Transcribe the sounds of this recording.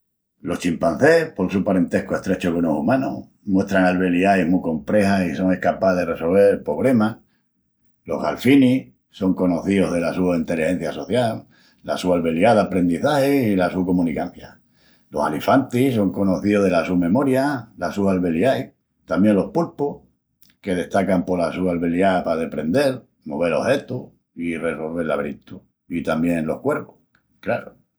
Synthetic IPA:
lo̞ht͡ʃimpan̟θe̞hpo̞lsupaɾẽ̞nt̪e̞hkoe̞ht̪ɾe̞t͡ʃokonosumãno̰ | mwe̞ht̪ɾaŋalβe̞liajmuko̞mpɾe̞hasiso̞ŋe̞hkapaðe̞re̞so̞lβ̞e̞ɾpɾo̞βlema | lo̞̰ɦɣa̰lfini | so̞ŋko̞no̞θioðe̞lasuaint̪e̞lihe̞n̟θjaso̞θjalː | asualβe̞ljaðapɾe̞nd̪iθahesilasuko̞mũnikan̟θja | lo̞salifant̪iso̞ŋko̞no̞θioðe̞lasumẽ̞mo̞ɾjalasualβeljaj | t̪ambje̞nlo̞hpulpoh | ke̞ð̞e̞ht̪akampolasualβe̞ljapaðe̞pɾe̞nd̪e̞l | moβ̞e̞lo̞he̞t̪u | ire̞so̞lβe̞ɾlaβɾit̪u | it̪ambje̞nlo̞̰hkwe̞ɾpoh | klaɾo

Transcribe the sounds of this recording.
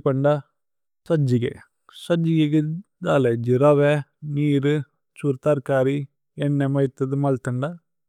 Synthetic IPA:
pɐɳɖa | sɐd͡ʒiɡḛ | sɐd͡ʒiɡeɡɯ | d̪aːled͡ʒɪɾaʋeniːɾɯ | t͡ʃuɾt̪aːɾkaːɾi | ɛnːɛmɐɪt̪ːɐðɯmaːlt̪ɐɳɖa

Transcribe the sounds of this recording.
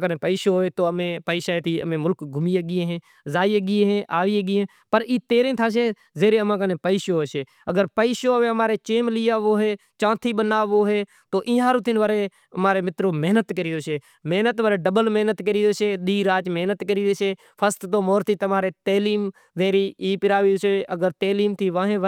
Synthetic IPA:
kənẽːpəiːʃoːɦoːeːt̪oːəmẽːpəiːʃaːt̪ʰiːə̰mẽːmʊlkɡʱʊmiːəɡieːɦẽː | zaːiːəɡiːeɦẽːʔaːʋiːeɡiːɦẽː | pəɾiːt̪eːɾẽːt̪ʰaːʃ̬eː | zeːɾeːəmãːkənẽːpəiʃoːɦeːʃeː | əɡəɾpəiːʃoːəʋeːəmaːɾeːt͡ʃeːmliːaːʋoːɦeː | t͡ʃãːt̪ʰiːɓənaːʋoːɦeː | t̪oːʔɪ̃ːɦãːɾoːt̪ɪnʋəɾeː | maːɾeːmɪt̪ɾoːmeɦnət̪kəɾiːd̪oːʃeː | meːnət̪ʋəːɾeːɖəbəlməɦnət̪kəɾiːd̪oːʃeːɗ̪iːɾaːt͡ʃmeːnət̪kəɾiːʃeː | pʰəst̪t̪oːmoːɾt̪iːt̪əmaːɾeːt̪eːliːm | zeːɾiːiːpɪɾaːʋiːseːəɡəɾt̪eːliːmt̪ʰiːʋãːɦẽːʋ

